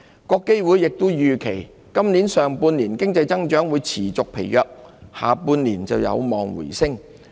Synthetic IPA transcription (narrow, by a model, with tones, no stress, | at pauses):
kɔː˧kːe˥jwuː˨˥jːɪ˨k̚t̪ʊ˥wjyː˨kʰe˨˩j | kɐ˥mniː˨˥nsœː˨ŋpuː˧nliː˨˩nkɪ˥ŋt͡sɐ˧jt͡sɐ˥ŋt͡ʃœː˨˥ŋwu˨˧jt͡sʰiː˨˩t͡sʊ˨k̚pʰe˨˩jːœː˧k̚ha̰ː˨˩puː˧nliː˨˩nt͡sɐ˨wjɐ̰˨˧wmɔː˨ŋwṵ˨˩jsɪ˥ŋ